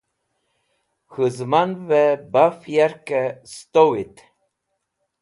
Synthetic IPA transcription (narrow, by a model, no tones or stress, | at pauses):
xɨzmanvɛbafjɛɾkɛst̪owit̪